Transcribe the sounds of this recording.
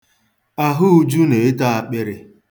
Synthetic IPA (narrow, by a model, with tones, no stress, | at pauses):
a˦ɦʊ˦u˦d͡ʒu˦ne˨e˦ta˦a˨k͡pe˦ɾɪ˨